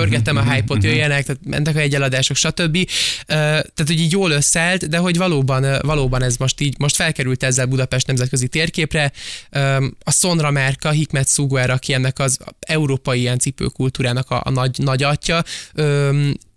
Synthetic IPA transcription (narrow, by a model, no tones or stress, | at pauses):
ørɡɛt̪ɛmɒɦajpot̪jøjɛnɛkt̪aːt̪mɛ̰nt̪ɛkɒjɛɟɛlɒd̪aːʃo̞kʃɒt̪ø̞bːiøːt̪aːt̪ho̞ɟiːɟjoːlø̞sɛlt̪d̪ɛɦo̞ɟvɒloːbɒnvɒloːbɒnɛzmo̞ʃt̪iːɟmo̞ʃt̪fɛlkɛɾylt̪ɛzːɛlbud̪ɒpɛʃt̪nɛmzɛt̪kø̞zit̪eːrkeːprɛøːɒso̞nrɒmɛrkɒɦikmɛt̪suɡɛɾʔɒkiɛnːɛkɒzɛuɾoːpɒjiiɛnt̪sipø̰ːkult̪uːɾaːnɒkɒ̰nɒɟnɒɟɒcːɒøːm